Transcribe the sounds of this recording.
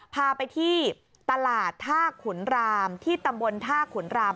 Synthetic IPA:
pʰaː˧pa˧jt̪ʰiː˥˩ | t̪a˧laː˨˩t̪ʰːaː˥˩kʰu˩˦nɾaː˧mt̪ʰiː˥˩t̪a˧mbo˧nt̪ʰaː˥˩kʰu˩˦nɾaː˧m

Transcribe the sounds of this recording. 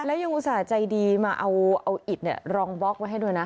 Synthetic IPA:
lɛ˦˥wja˧ŋʔu˨˧˩saː˨˩˦t͡ɕa˧jdiː˧maː˧ʔa˧wʔa˧wʔi˨˩t̪̚ni˨˥˩ɐɾɔː˧ŋbɔ˦˥k̚ma˧jɦa˥˩jdu˧jna˦˥

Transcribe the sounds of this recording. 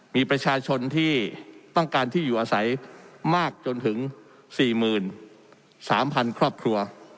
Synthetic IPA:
miː˧pɾa˧t͡ɕʰaː˧t͡ɕʰo˧nt̪ʰiː˥˩t̪ɔ˥˩ŋkaː˧nt̪ʰiː˥˩juː˨˩ʔaː˧sa˩˦jmaː˥˩k̚t͡ɕo˧nt̪ʰɯ˩˦ŋ | siː˨˩mɯː˨˩n | saː˩˦mpʰa˧nkʰɾɔː˥˩p̚kʰɾu˧ɐ

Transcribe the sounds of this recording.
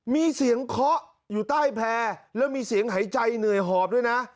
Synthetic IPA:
miː˧si˩˦əŋkʰɔ˦˥ʔ | juː˨˩t̪aː˥˩jpʰɛː˧lɛː˦˥wmiː˧si˨˩˦əŋɦa˩˦jt͡ɕa˧jnɯ˨˩əjɦɔː˨˩p̚du˥˩jna˦˥ʔ

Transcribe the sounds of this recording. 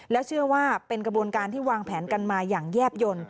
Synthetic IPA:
lɛ˦˥wt͡ɕʰɯ˥˩ɐwaː˥˩pe˧nkɾa˧bu˧ənkaː˧nt̪ʰiː˥˩waː˧ŋpʰɛː˩˦nka˧nmaː˧jaː˨˩ŋjɛː˥˩p̚jo˧n

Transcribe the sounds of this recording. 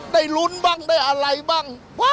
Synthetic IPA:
ɗə˧˩jlu˧ənɓa˧˩ŋɗə˧jʔəː˨˩la˨˩˦jɓa˧˩ŋ | ɓwaː˨˦

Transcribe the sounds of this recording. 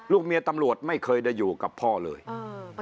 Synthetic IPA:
luː˥˩k̚mi˧ət̪a˧mɾu˨˩ət̪̚ma˥˩jkʰɤː˧jda˥˧˩jːuː˨˩ka˨˩pʰːɔː˥˩lɤː˧j

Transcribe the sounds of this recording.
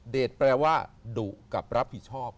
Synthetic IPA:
deː˨˩t̪̚pɾɛː˧waː˥˩duː˨˩ka˨˩p̚ɾa˦˥p̚ʰːi˨˩t̪̚t͡ɕʰɔː˥˩p̚

